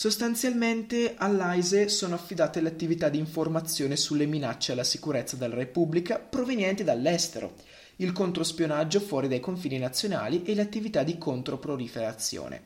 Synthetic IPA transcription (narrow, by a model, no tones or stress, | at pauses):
sost̪ant̪sjalment̪ealːajzesoːnoafːid̪aːt̪eleat̪ːivit̪ad̪ːiːɱformat̪sːjoːnesulːeminat͡ʃːealːasikuɾet̪sːad̪elːaɾepublikapɾovenjɛnt̪id̪alːɛst̪eɾo̰ | ilkont̪ɾospjonad͡ʒːofwɔːɾid̪ajkoɱfiːninat̪sːjona̰ːliʔeleat̪ːivit̪ad̪ikont̪ɾopɾolifeɾat̪sːjo̰ːnḛ